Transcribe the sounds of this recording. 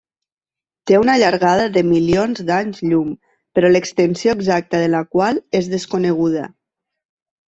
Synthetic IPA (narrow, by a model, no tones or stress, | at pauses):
t̪eunaʎaɾɣað̞əðəmilionzd̪aɲzʎum | pəɾɔləkst̪ənsioeɡzak̚t̪əðələkwalˠezðəskonəɣ̞uð̞ə̰